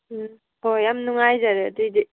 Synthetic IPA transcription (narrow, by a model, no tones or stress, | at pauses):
hojamnuŋajzaɾɯad̪idi